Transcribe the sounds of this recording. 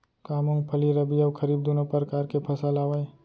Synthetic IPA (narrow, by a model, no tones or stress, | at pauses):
kaːmõŋɡpʰɐliɾɐbiɐwkʰɐɾiːb̚d̪onopɐɾkaːɾkepʰɐsalaːwaːj